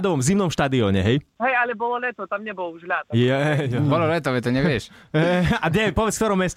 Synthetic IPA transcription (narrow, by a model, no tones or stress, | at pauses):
d̪ɔʋɔmvzimnɔmʃt̪ad̪iɔɲɛ̰ɦɛjɦɛjalɛbɔlɔlɛt̪ɔt̪amɲɛbɔluʒlat̪jɦɛbɔlɔlɛt̪ɔʋɛt̪ɔɲɛʋɪɛʃ | ad̪ɲɛpɔʋɛt͡skt̪ɔɾɔmɛst̪